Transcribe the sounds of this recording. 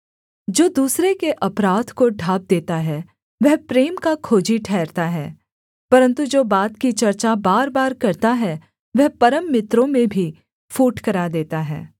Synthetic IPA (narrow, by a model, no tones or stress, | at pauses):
d͡ʒoːd̪uːsɾekeʔɐpɾaːd̪koɖʱaːb̚d̪eːt̪aɦɛ | ʋɛɦpɾeːmkakʰoːd͡ʒiʈʰɛːɾt̪aɦɛː | pɐɾə̃nt̪ud͡ʒoːbaːt̪kit͡ʃɐɾt͡ʃabaːɾbaːɾkɐɾt̪aɦɛ | ʋɛɦpɐɾəmːɪt̪ɾõmẽbʱi | fuːʈkɐɾad̪eːt̪aɦɛ̰ː